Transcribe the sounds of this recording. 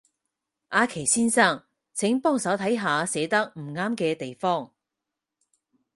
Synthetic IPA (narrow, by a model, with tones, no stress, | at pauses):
ʔaː˨˧kʰe˨˩jsiː˥nsaː˥˩ŋ | t͡sʰɪ˨˥ŋpɔː˥ŋsɐ˨˥wt̪ʰɐ˨˥jɦaː˨˧sɛː˨˥t̪ɐ˥k̚m̩˨˩ŋaː˥mkɛː˧t̪e˨jfɔː˥ŋ